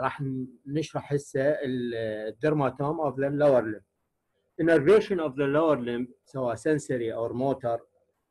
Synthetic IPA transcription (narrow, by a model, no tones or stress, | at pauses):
ɾˤɑːħnɪʃɾˤɑħɪsːaɪd̪ːɪɾmat̪omʔɔvðalawɑɾˤlɪmb | ʔɪnaɾeːʃɪnɔvðalawaɾˤlɪmbsawaːʔsansaɾiʔawɾmoːt̪ɑɾˤ